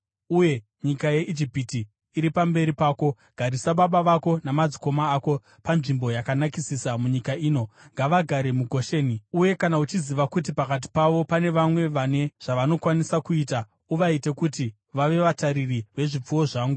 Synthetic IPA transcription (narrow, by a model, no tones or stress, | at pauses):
uje̞ | ɲikaje̞ʔid͡ʒipitiː | ɾipambe̞ɾipaːko̞ | ɡ̥ʱaɾisaɓaɓaʋako̞namad͡ziko̞maːko̞ | panʐimbo̞jakanakisisamuɲikaiːno̞ŋɡaʋaɡʱaɾe̞muɡʱo̞ʃe̞ːniuje̞kanaut͡ʃiziʋakut̬ipakat̬i̥paʋo̞pane̞ʋamwe̞ʋane̞ʐ̥aʋano̞kwanisakuiːta | uʋaite̞kuti | ʋaʋe̞ʋataɾiriʋe̞ʐip͡fuwo̞ʐaːŋɡu